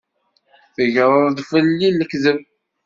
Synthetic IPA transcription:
θəʝɾˤəɾˤðfəlːilːəkzəv

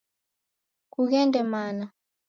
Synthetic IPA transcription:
kuɣɛndɛmana

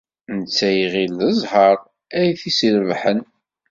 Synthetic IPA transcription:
nət͡sːæjʁiləzˤhəɾˤ | æjθisiɾvħən

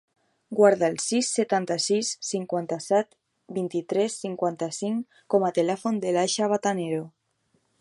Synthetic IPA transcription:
ɡwaɾðaelsisːet̪ant̪asisːiŋkwant̪asɛt̪ | bint̪it̪ɾɛsːiŋkwant̪asiŋ | komat̪elɛfond̪elaʃaβat̪aneɾo

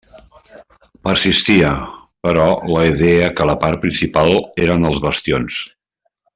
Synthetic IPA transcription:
pəɾsist̪iəpəɾɔləiðɛəkələpaɾ̚pɾinsipalˠeɾənəlˠzβəst̪ions

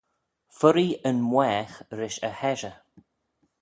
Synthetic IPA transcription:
fʊɾiənmwɛːxɾɪʃəhɛʒə

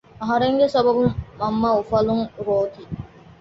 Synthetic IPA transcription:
ɐɦɐɾeŋɡesɐbɐbumːɐmːaːufɐluŋɾoːt̪i

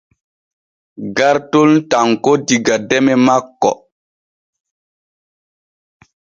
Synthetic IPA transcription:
ɡaɾtoltaŋkodiɡadɛmɛmakːɔ̰

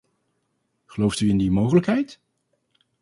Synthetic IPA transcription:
χəlowftyɪndimowχələkɦɛjt

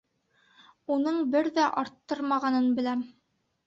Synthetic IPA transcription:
unɤɴbɘɾðæʔɑɾt̪ːɤɾmɑʁɑnɤnbɘ̆læm

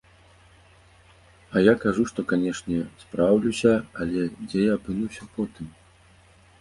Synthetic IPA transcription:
ɐjakaʐuʂt̪ɔkanʲɛʂnʲɛspɾawlʲusʲɐɐlʲɛd͡zʲɛjaːpɨnuwsʲɐpɔt̪ɨm

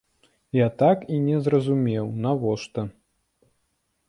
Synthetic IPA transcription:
jat̪akinʲɛzrɐzumʲɛwnavɔʂt̪ɐ

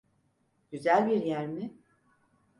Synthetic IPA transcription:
ɟyzælʲbiɾjæɾmɪ

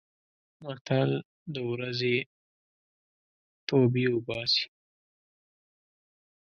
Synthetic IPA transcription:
maɾt̪al | d̪əwɾaze | t̪obiwʊbɑsi̥

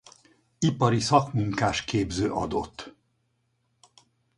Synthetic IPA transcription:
ipɒɾisɒkmuŋkaːʃkeːbzøːʔɒ̰d̪o̰t̪ː

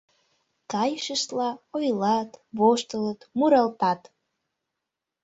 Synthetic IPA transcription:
kɑjʃəʃt̪lɑojlɑt̪βoʃt̪ələt̪muɾɑlt̪ɑt̪

